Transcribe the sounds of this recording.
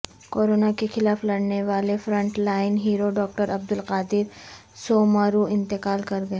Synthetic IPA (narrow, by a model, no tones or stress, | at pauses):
koːɾoːnakexɪlaːflɐɽneʋaːlefɾɐ̃ɳʈlaːɪnɦiːɾoɖɔːk̚ʈəɾɐb̚d̪ʊlqaːd̪ɪɾ | soːmaːɾuɪ̃nt̪ɪqaːlkɐɾɡɐe